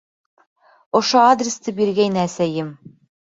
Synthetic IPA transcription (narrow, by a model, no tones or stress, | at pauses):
ŏʃoad̪rʲɪst̪ɤbiɾɡæjnæːsæjɘm